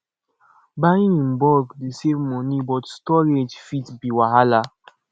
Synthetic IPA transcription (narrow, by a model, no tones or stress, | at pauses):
baĩĩnbɔɡdesevmɔnibɔtstɔɾed͡ʒfitbiwaɦala